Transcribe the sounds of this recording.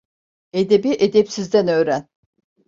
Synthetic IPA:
ed̪ebiʔed̪epsizd̪ænø̞ːɾæn

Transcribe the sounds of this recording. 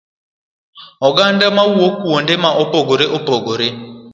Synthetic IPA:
ɔɡandamawuokuwɔndɛmaʔɔbɔɡɔɾeʔɔbɔɡɔɾe

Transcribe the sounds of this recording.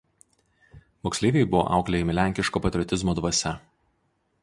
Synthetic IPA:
moːksʲlʲeːʋʲejbʊʋo̰ʔɑ̰ˑʊklʲejɛmʲɪlʲæˑŋʲkʲɪʃkoːpɐt̪ʲɾʲɪɔt̪ʲɪzmoːd̪ʋɐsʲɛ

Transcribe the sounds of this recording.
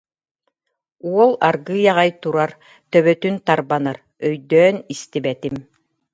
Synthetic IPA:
uɔlˠaɾɡɯːjaʁajt̪uɾaɾ | t̪œβœt̪ynt̪aɾbanaɾ | œjd̪œːnist̪ibɛt̪im

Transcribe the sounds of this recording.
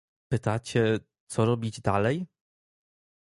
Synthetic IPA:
pɘt̪at͡ɕɛ | t̪sɔɾɔbʲid͡ʑd̪alɛj

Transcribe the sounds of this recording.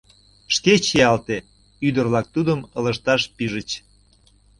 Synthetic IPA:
ʃket͡ɕiɑlt̪e | yd̪ərvβlɑk̚t̪ud̪əmələʃt̪ɑʃpiʒət͡ɕ

